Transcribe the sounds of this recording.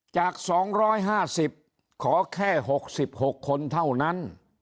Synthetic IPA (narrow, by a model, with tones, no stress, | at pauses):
t͡ɕaː˨˩k̚sɔː˩˦ŋɾɔː˦˥jɦaː˥˩si˨˩p̚ | kʰɔː˩˦kʰɛː˥˩ɦo˨˩k̚si˨˩p̚ho˨˩kʰːo˧nt̪ʰa˥˩wna˦˥n